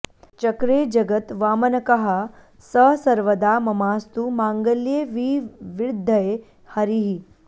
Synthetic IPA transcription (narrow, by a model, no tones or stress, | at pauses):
t͡ʃɐkɾeːd͡ʒɐɡət̪ʋaːmɐnɐkɐɦɐ | sɐsɐɾʋɐd̪aːmɐmaːst̪umaːŋɡəljeːʋiʋiɾd̪ʱːɐje | hɐɾiɦi